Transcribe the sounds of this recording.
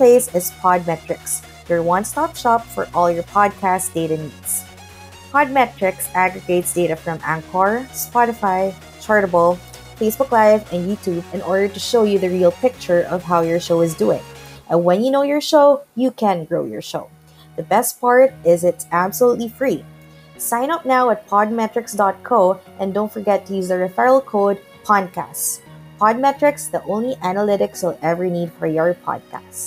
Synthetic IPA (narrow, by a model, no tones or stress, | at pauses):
pʰl̥eɪsɪz̥pʰɑd̚mɛt͡ʃɹ̥ɨks | jə˞wʌ̃nstɑpʃɑpfə̰˞ʔɔlˠjə˞pʰɑd̚kʰæsd̥eɪɾɨnidz̥ | pʰɑd̚mɛt͡ʃɹ̥ɪksæɡɹɨɡeɪtsd̥eɪɾɨfɹʌ̃mæ̃ŋkʰɑɹspɑɾɨfaɪ | t͡ʃʰɑɹɾəbɔlˠ | feɪsb̥ʊklaɪvɨ̃njʉtʰubɨ̃nɔɹɾə˞ɾɨʃoʊjɨðɨɹilˠpʰɪk̚t͡ʃə˞ʔʌv̥ɦaʊjə˞ʃoʊɨzduɪ̰̃ŋʔɛ̃nwɛ̃njɨnoʊjɔɹʃoʊjɨkɛ̃nɡɹoʊjɔ̰ɹʃo̰ʊ | ðəbɛst̚pɑɹt̪ɪzɪtsæbsəlut̪lifɹi | sãɪ̃nʌp̚naʊæt̪̚pʰɑd̪̚mɛtɹɪksdɑt̪̚kʰoʊʔɛ̃nd̪õʊ̃ntfɔɹɡɛt̪ʰːʊjuzðəɹɛfɛɹlˠkʰoʊd̚ | pʰɑd̚kʰæ̰stspʰɑd̚mɛt̪ɹɪksðiʔõʊ̃nliʔænəlɪɾɪkswəlˠɛvɹinidfɔɹjɔɹpʰɑ̰d̚kʰæ̰sts